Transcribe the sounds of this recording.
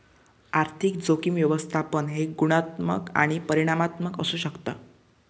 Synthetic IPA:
aɾt̪ʰik̚d͡zokimʋjəʋəst̪ʰapəɳɦeɡuɽ̃at̪mə̰ka̰ɽ̃ipəɾiɽ̃amat̪məkə̰suːɕəkt̪əː

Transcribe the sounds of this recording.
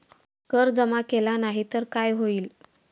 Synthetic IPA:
kəɾd͡zəmakelanaɦit̪əɾkajɦoiːl

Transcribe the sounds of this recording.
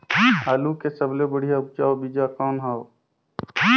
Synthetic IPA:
ɦaːlukesəblebəɽ̤ijaʊp̚d͡ʒaːobid͡ʒakɔːnɦaːo

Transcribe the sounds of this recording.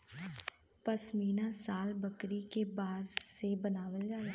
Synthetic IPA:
pəsmiːnasaːlbəkɾikebaːɾsebənaːʋəld͡ʒaːɾeː

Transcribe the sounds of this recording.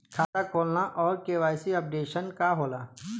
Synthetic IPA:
kʰaːt̪akʰoːlnaʔɔːɾkeːʋaːjsiɐp̚ɖeːʃənkaɦoːlaː

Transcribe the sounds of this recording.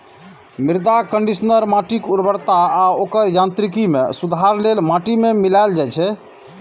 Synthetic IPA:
miɾd̪akəɳɖisənəɾmaʈikuɾbəɾt̪aːokəɾjãnt̪ɾikimḛsud̪ʱaɾlelmaʈimemilaeld͡ʒajt͡ʃʰɛ

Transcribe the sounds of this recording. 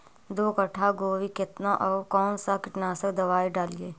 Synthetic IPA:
d̪oːkəʈʰaɡoːʋikɪt̪naʔɔːɾkɔːnsakɪʈnaːsəkd̪ɐʋaːiɖaːlieː

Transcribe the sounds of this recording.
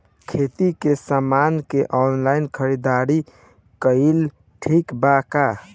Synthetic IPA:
kʰet̪ikesamankeʔɔnlaɪnkʰəɾid̪aɾi | kəil | ʈʰikbaka

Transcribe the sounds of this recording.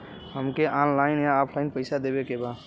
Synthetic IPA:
həmkeʔanlaɪnjaɔpʰlaɪnpəɪsad̪ebekebad̪

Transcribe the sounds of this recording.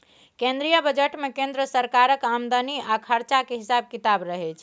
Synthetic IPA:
kẽnd̪ɾijəbəd͡ʒeʈmekẽnd̪ɾəsəɾkaɾəkamd̪əniakʰəɾt͡ʃakeɦisab̚kit̪abɾəɦet͡ʃʰ

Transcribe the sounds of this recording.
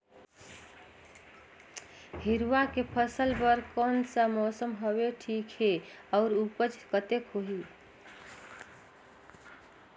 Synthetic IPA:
hiɾuwakepʰəsəlbəɾkonsə̃mɔsəmɦəbeʈʰikɦeɔʊɾupət͡ʃkət̪ekɦoɦi

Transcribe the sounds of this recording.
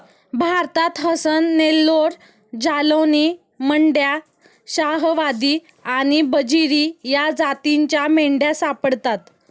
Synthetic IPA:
bʱaɾt̪at̪ɦəsənːelːoɾ | d͡ʑaləwni | məɳɖja | ɕaɦʋad̪i | aɽ̃ibəd͡ʑiɾijad͡zat̪iɲt͡ɕjameɳɖjasapəɽt̪at̪

